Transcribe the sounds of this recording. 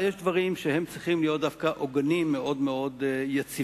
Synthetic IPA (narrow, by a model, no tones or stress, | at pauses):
jeʃd̪vaʁimʃehe̞mt͡sʁiχimlijot̚d̪afkaʔoɡanimːeʔo̞dmeo̞d̪jat͡si